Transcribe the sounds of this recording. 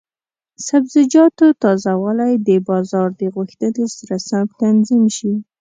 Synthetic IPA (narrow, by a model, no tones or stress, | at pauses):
sabzɪd͡ʒɑt̪ot̪ɑzawalajd̪əbɑzɑɾd̪əɣuxt̪ənesaɾasamt̪anzimʃi